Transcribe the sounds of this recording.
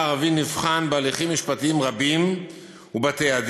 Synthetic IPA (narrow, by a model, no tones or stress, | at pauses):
aʁavinivχanbealiχimːiʃpat̪iimʁabim | ubat̪ead̪